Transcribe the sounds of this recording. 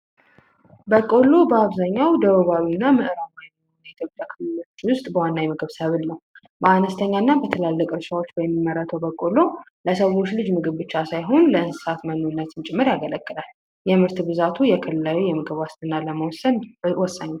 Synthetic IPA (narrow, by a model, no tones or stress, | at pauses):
bəkʼo̞lo̞bəaβzaɲːawd̪əβəβawinːamɨʔɨɾamajɛn | njɛjt̪ʰjo̞pʼjakʰɨlɨlo̞t͡ʃːwʊst̪ʼbəwanːajɛmɨɡɨβsəβɨlnəw | bəanəst̪ʰəɲːanːabət̪ʰəlalːəkʼɨɾʃawo̞t͡ʃːbəmːimːəɾat̪ʰəwbəkʼo̞lo̞ | ləsəwo̞t͡ʃːlɨd͡ʒmɨɡɨβbɨt͡ʃːasajɦo̞nləɨnsɨ̥sat̪mənːonːət̪ɨnt͡ʃʼɪmːɨɾjaɡələkʼːɨlal | jɛmɨɾt̪ɨbɨzat̪ʰujɛkʰɨlɨlajujɛmɨɡɨβwast̪ʰɨnaləməwsənwɔsːəɲːu